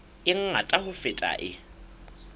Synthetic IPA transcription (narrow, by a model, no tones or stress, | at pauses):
ɪŋ̩atʼahʊfɪtʼa̰ʔɪ̰